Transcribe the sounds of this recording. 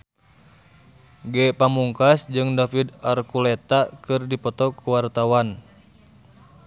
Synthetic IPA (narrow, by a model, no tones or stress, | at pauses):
ɡɛpamuŋkasd͡ʒɨŋdafid̪arkulɛt̪akɨrdipɔt̪ɔkuwart̪awan